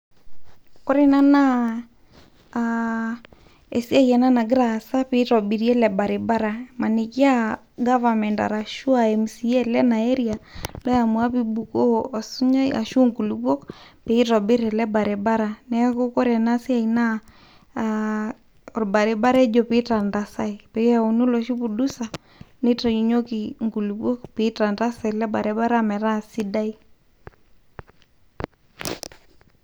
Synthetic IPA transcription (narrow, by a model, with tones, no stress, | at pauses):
kɔ˦ɾe˨na˦na˦ | e˨si˦a˦jɛ˨na˦na˨ɡɾa˨sa˦pe˦tɔ˨bi˨ɾjɛ˦lɛ˨ba˨ɾe˨ba˦ɾa˨ma˨ne˨ki˦a˦ | ɡa˦va˨mɛ˨nda̰˨ɾa˨ʃu˦a˨ɛ˨msi˨ɛ˦lɛ˦na˨e˦ɾia˨lɔ˦ja˨mwa˦pi˦bu˨ko˦˨su˦ɲa˦a̰˨ʃu˦ŋku˨lubɔ˦kpe˨i˦tɔ˨be˦ɾɛ˨lɛ˦ba˨ɾe˨ba˦ɾa˨nɛ˦kʊ˦kɔ˦ɾɛ˨na˦sɪ˦a˨i˨na˦˨ | ɔ˨ɾba˨ɾɛ˨ba˦ɾɛ˦d͡ʒɔ˨pɪ˦ta˨nda˨sa˦i˨pe˨˦a˨o˨nu˦lɔ˨ʃi˦pu˨du˦sa˨ | nɪ˦ta˨ju˨ɲo˦ki˨ŋku˨lu˨bo˦kpɪ˨˦ta˨nda˦sa˨i˨lɛ˦ba˨ɾɛ˨ba˦ɾa˦mɛ˨ɾa˦˨si˦da˦i˦